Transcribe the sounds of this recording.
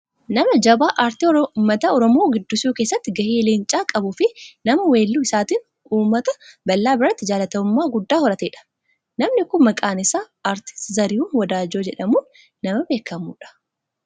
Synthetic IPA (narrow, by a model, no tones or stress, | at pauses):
nɐmɐd͡ʒɐbaːʔaɾt̪imɐt̪ɐɔɾɔmo̞ːɡɪd̪ːʊsuːkeːsːɐt̪ːɪɡɐhiːlɪnt͡ʃʼaːkʼɐbʊfɪnɐmɐwe̞ːlːuːɪsaːt̪in | uːmːɐt̪ɐbɐlːaːbɪɾɐt̪ːɪd͡ʒaːlɐt̪ɐʊmːaːɡʊd̪ːaːhɔɾɐt̪eːᶑɐ̥ | nɐmnɪkʊnmɐkʼaːnɪsaː | aːɾt̪ɪ̥st̪ɪzɐɾɪhuːnwɐd̪aːd͡ʒo̞ːd͡ʒɛᶑɐmuːnː | ɐmɐbe̞ːkːɐmuːᶑɐ̥